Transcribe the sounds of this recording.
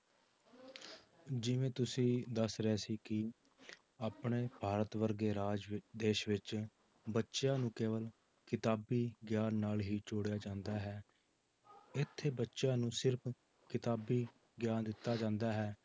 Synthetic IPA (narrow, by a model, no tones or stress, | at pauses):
d͡ʒɪʋẽːt̪ʊsĩːd̪əsɾɛːsiːkɪ | aːpɳeːbʱaːɾət̪ʋəɾɡeːɾaːd͡ʒd̪eːʃʋɪt͡ʃ | bətːʃjãːnũːkeːʋəl | kɪt̪aːbiːɡjaːnnaːlɦiːt͡ʃoːɽejaːd͡ʒãːnd̪aːɦɛː | ɪt̪ʰːeːbətːʃjãːnũːsɪɾpʰ | kɪt̪aːbiː | ɡɪjaːnd̪ɪt̪ːaːd͡ʒãːnd̪aːɦɛː